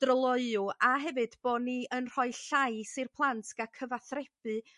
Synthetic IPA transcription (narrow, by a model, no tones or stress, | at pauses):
d̥rəlˠɔɨʊaɦɛvɨdb̥ɔːniənr̥ɔɨɬajsɨrpʰlˠantʰkakʰəvaθrɛb̥ɨ